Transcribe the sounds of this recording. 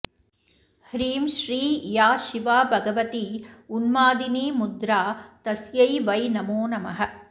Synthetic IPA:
hɾiːmʃɾiːjaːʃiʋaːbʱɐɡɐʋɐt̪iunmaːd̪iniːmud̪ɾaːt̪ɐsjɐjʋɐjnɐmoːnɐmɐɦɐ̆

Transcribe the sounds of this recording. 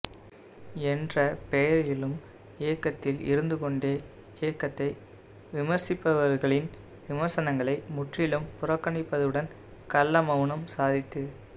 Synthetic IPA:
ɛndrɐpɛjɐɾjɪlɯm | eːkːɐt̪ːɪlɪ̰ɾɯnd̪ɯkɔɳɖeː | eːkːɐt̪ːɐɪ | ʋɪmɐɾsɪpːɐʋɐɾɣɐɭɪn | ʋɪmɐɾsɐnɐŋɡɐɭɐɪmʊʈrɪlɯmpʊrɐkːɐɳɪpːɐðɯɽɐn | kɐlːɐmɐʊnɐmsaːðɪt̪ːɯ

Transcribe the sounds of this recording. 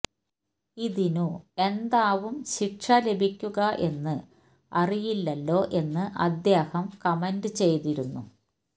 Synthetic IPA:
iðinue̞nd̪aːʋumɕiʈʂɐle̞bʱikʲːuɣɐʔe̞nːɨ | ɐrijilːɐlːo̞ːʔe̞nːɨʔɐ̰d̪jeːhɐmkɐmendɨt͡ɕe̞jt̪iɾunːu

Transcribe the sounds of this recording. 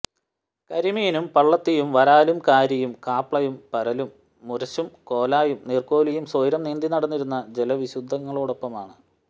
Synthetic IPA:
kɐɾimijinumpɐɭːɐt̪ːijumʋɐɾaːlumkaːɾjɐjumkaːpɭɐjumpɐɾɐlumː | uɾɐɕumko̞ːlaːjumnirko̞ːlijumsoːjɾɐmneːnd̪inɐɽɐnːiɾunːɐd͡ʑelɐʋiɕud̪ʱːɐŋːɐɭoːɽo̞pːɐmaːɳɨ

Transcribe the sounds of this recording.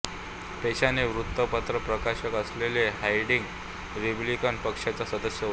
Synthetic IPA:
t̪eɕaneʋɾut̪ːəpət̪ɾəpɾəkaɕəkəsleleɦajɽiŋɡ | ɾiblikənpəkʂat͡sasəd̪əɕjə

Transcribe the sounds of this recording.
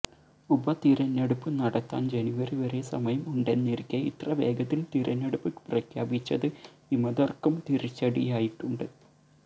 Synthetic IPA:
ubɐt̪iɾɐnːeɽupːɨnɐɽɐt̪ːa̰ːnd͡ʑe̞niʋɐriʋɐɾe̞sɐmɐjɐmuɳɖe̞nːiɾikʲːɐḭt̪rɐʋe̞ːɡɐt̪ːilt̪iːɾʔɐnːeɽupːɨprɐkʰja̰ːbit͡ɕːɐðɨ | imɐðɐrkumt̪iɾit͡ɕːɐɽijaːjiʈːuɳɖɨ

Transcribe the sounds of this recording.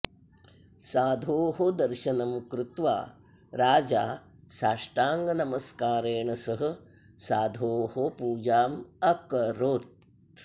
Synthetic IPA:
saːd̪ʱoːɦod̪ɐɾʃɐnɐmkɾut̪ʋa̰ː | ɾaːd͡ʒaː | saːʂʈaːŋɡɐnɐmɐskaːɾeːɳɐsɐɦɐ̆ | saːd̪ʱoːhopuːd͡ʒaːmɐkɐɾoːt̪̚

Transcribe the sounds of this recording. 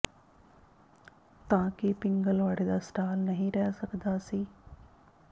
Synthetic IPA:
t̪ɐʋãkipɪ̃ŋɡəlʋaːɽed̪aːsʈaːlnɐɦĩɾɛɦesɐɡ̪d̪aːsiː

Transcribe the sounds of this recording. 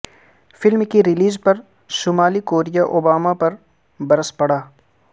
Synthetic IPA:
fɪlmkiɾɪliːzpɐɾ | ʃʊːmaːlikoːɾijaʔoːbaːmapɐɾ | bɐɾəspɐɽaː

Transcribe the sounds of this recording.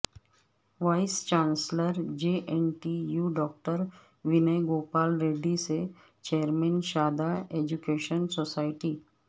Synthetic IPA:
ʋaɪst͡ʃãːnsləɾd͡ʒeːʔenʈijuːɖɔːk̚ʈəɾ | ʋɪnəɡoːpaːlɾeːɖise | t͡ʃeːəɾmɛ̃ːnʃaːd̪aeːd͡ʒukeːʃənsoːsaːɪʈiː

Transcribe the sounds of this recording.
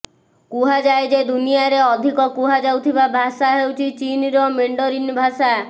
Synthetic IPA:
kuɦad͡ʒajd͡ʒed̪unijaɾeɔd̪ʱikɔkuɦad͡ʒawt̪ʰibabʱasaɦewt͡ʃʰit͡ʃinɾɔmeɳɖɔɾinbʱasa

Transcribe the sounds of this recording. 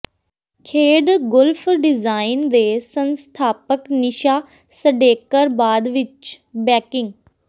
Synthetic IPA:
kʰeːɖɡʊlpʰɖɪzaːɪnd̪eːsənst̪ʰaːpəknɪʃaː | səɖeːkəɾbaːd̪ʋɪt͡ʃbɛːkɪŋɡ

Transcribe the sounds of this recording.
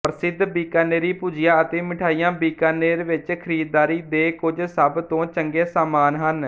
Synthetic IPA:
pəɾsɪd̪biːkaːneːɾiːpuːd͡ʒɪjãːət̪eːmɪʈʰaːijãːbiːkaːneːɾʋɪt͡ʃkʰəɾiːd̪ːaːɾiːd̪eːkʊd͡ʒsəbt̪õːt͡ʃəŋɡeːsaːmaːnɦən

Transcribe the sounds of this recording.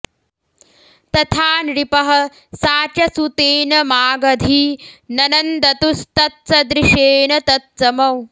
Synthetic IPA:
t̪ɐt̪ʰaːnɾipɐɦɐ̆ | saːt͡ʃɐsut̪eːnɐmaːɡɐd̪ʱinɐnɐnd̪ɐt̪ust̪ɐt̪̚sɐd̪ɾiʃeːnɐt̪ɐt̪̚sɐmɐw

